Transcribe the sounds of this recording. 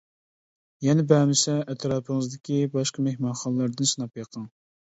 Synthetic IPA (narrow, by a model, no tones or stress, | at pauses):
jɛnɪbɛmɪsɛʔɛt̪ʰɾɑːpʰəŋəzd̪ɪkʲibɑʃqɑmehmɑnχɑnlˠɑɾd̪ɨnsɨnɑpjɑqʰɑŋ